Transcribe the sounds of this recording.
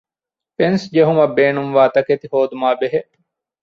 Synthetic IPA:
pensd͡ʒeɦumɐbːeːnumʋaːt̪ɐket̪ihoːd̪umaːbeɦeʔ

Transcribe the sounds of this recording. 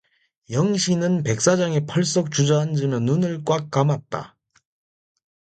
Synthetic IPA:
jʌŋɕʰinɯnpe̞k̚s͈ad͡ʑaŋepʰʌɭs͈ʌk̚t͡ɕud͡ʑʌand͡ʑɯmjʌnːunɯɭk͈wakk͈amat̚t͈a̰

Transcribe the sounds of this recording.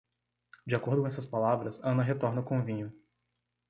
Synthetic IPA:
d͡ʒiakoɾd̪ʊkõɛsɐspalavɾɐsɐ̃nɐɦet̪ɔɾnɐʊkõvĩɲʊ

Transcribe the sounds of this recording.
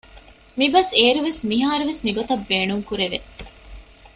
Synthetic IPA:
mibɐseːɾuʋesmiɦaːɾuʋesmiɡot̪ɐbːeːnuŋkuɾeʋe

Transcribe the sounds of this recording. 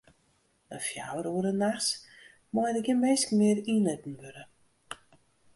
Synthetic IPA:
əfja̰wəɾuəɾənaxs | mɔjdəɡjəmeːskmɪəɾinətn̩ʋøɾə

